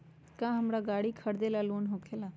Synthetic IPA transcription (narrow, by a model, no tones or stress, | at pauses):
kãɦəmɾaɡaːɽikʰəɽd̪elaloːnɦokʰela